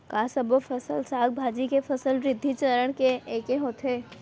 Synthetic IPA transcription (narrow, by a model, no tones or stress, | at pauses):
kaːsəbofʰəsəlsaːɡ̚bʱaːd͡ʒikefɐsəlɾɪd̪ʱːit͡ʃəɾəɽ̃keeːkeɦoːt̪ʰeː